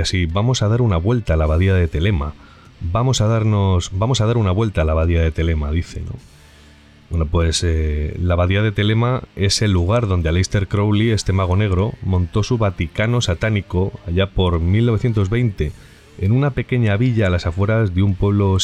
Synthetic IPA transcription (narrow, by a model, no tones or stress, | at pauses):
asibamo̞saðaɾunaβwe̞lt̪aːlaβaðiaðe̞t̪e̞le̞ma̰ | bamo̞saðaɾno̞sbamosaðaɾunaβwe̞lt̪aːlaβaðiað̞e̞t̪e̞le̞maðiθe̞̰no̰ | bwenopwe̞selaβaðiaðe̞t̪e̞le̞mae̞se̞lːuɣ̞aɾðo̞nd̪ealejst̪e̞ɾkɾo̞wlie̞st̪e̞maɣ̞o̞ne̞ɣ̞ɾo̞mõ̞nt̪o̞suβat̪ikano̞sat̪aniko̞aʎapo̞ɾmilno̞βe̞θjent̪ozβe̞jnt̪e̞ | enunape̞ke̞ɲaβiʎaːlasafwe̞ɾazðeumpwe̞β̞lo̞